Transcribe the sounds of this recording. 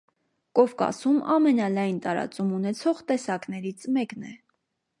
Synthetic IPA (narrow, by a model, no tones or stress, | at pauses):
kɔvkɑ̰sumɑ̰mɛnɑlɑjnt̪ɑɾɑ̰t͡sumunɛt͡sʰɔʁt̪ɛsɑknɛɾit͡sʰmɛknɛ